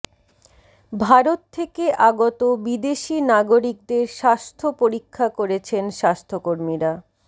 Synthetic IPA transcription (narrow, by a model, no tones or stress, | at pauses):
bʱaɾot̪t̪ʰːekeʔaɡot̪obid̪eʃinaɡoɾik̚d̪eɾʃast̪ʰopoɾikʰːakoɾet͡ɕʰenʃast̪ʰokoɾmiɾa